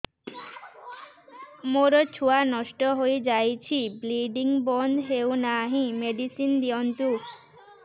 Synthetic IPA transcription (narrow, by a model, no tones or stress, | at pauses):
moɾot͡ɕʰuanɔʃʈoɦojd͡ʑajt͡ɕʰibliɖiŋbɔnd̪ʱɦewnaɦĩmeɖisind̪iont̪u